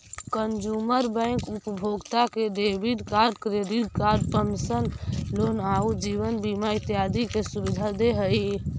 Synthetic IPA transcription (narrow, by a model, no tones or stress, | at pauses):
kənd͡ʒuməɾbə̃ɪ̃ŋkupəbʱoɡt̪akeɖebiɖkaɾɖkɾeɖid̪̚kaɾɖpəmsənlonaud͡ʒiʋənbimait̪ijad̪ikesubid̪ʱad̪eɦəi